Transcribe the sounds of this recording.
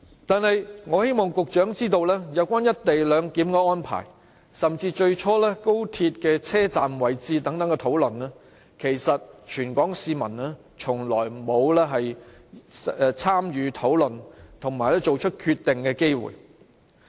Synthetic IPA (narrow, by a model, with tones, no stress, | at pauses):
t̪aː˨nhɐ˨jŋɔː˨˧he˥jmɔː˨ŋkʊ˨k̚t͡ʃœː˨˥ŋt͡siː˥t̪o˧wlɛː˥jɐ˨˧wkʷaː˥njɐ˥t̚t̪e˨jlœː˨˧ŋkiː˨˥mkɔː˧ɔː˥npʰa̰ː˨˩j | sɐ˨mt͡siː˧t͡ʃɵ˧ɥt͡ʃʰɔː˥lɛː˥ko˥wt̪ʰiː˧t̚kɛː˧t͡sʰɛː˥t͡saː˨mwɐ˨˩jt͡siː˧t̪ɐ˨˥ŋt̪ɐ˨˥ŋkɛ˧t̪ʰo˨˥wlɵ˨nlɛː˥ | kʰe˨˩jsɐ˨t̚t͡ʃʰyː˨˩nkʷɔː˨˥ŋsiː˧mɐ˨˩nlɛː˥ | t͡ʃʰʊ˨˩ŋlɔ̰ː˨˩jmo˨˧wlɛː˥ɦɐ˨j | t͡sʰaː˥mjyː˨˧t̪ʰo˨˥wlɵ˨nt̪ʰʊ˨˩ŋmaː˨˩jlɛː˥t͡ʃo˨wt͡ʃʰɵ˥t̚kʰyː˧t̪ːɪ˨ŋkɛː˧ke˥jwṵː˨˩j